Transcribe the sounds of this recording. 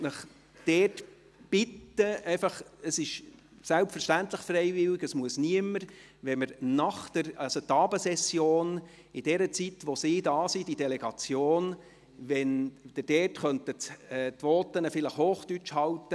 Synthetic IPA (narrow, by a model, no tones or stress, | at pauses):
nəχ | d̪̥ɛːt | b̥ɪtːəɛɪfɑχəsɪʃ | sælpfəɾʃtænt̪ləχfreɪvɪlɪɡəsmuəsniəməɾ | ʋɛməɾnɑχt̪əɾɑlsot̪ːɑːbəsɛsjoːn | ɪd̥ɛɾət͡sit̪ʋosidɑːsid̥idɛlɛɡ̥ɑt͡sjoːn | ʋɛnd̥əd̥ɛtχœnt̪ətɛːtʋɔːt̪ənəfɪləχhoːχt̪yt͡ʃhɑltːə